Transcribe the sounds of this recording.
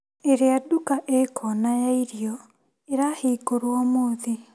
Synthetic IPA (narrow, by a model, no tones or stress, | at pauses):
eɾeadukaʔekʰɔnajaiɾiɔ | eɾaheːkoɾwɔmoːði